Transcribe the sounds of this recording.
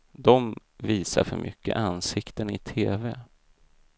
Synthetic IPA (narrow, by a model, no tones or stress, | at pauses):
d̪ɔm | viːsaɾfœɾmʔʏ̰kʰːə̰ʔansɪkt̪ənɪt̪ʰeːvɛ